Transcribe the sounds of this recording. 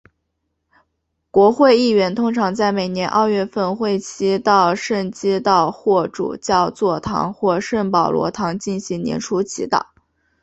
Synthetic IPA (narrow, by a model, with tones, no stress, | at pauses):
kwɔ˧˥xwe˥˧ɪi˥˩ɥɛ˧˥nt̪ʰʊ˥ŋʈ͡ʂʰɑ˧˥ŋt͡sa˥˩ɪme˨˩ɪnjɛ˧˥nʔɑ̰˥˧ʊɥɛ˥˧fə˥˧nxwe˥˩ɪt͡ɕʰi˥t̪ɑ˥˧ʊʂə˥˩nt͡ɕi˥t̪ɑ˥˧ʊxwɔ˥˩ʈ͡ʂṵ˨˩t͡ɕjɑ˥˧ʊt͡swɔ˥˩t̪ʰɑ̰˧˥ŋxwɔ˥˧ʂə˥˩npɑ˨˩ʊlwɔ̰˧˥t̪ʰɑ˧˥ŋt͡ɕi˥˩nɕi˧˥ŋnjɛ̰˧˥nʈ͡ʂʰu˥t͡ɕʰḭ˧˥t̪ɑ̰˨˩˦